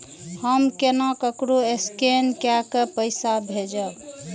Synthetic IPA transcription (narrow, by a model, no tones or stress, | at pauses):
həmkenakəkɾoeskenkjakepəɪsabʱed͡ʒəb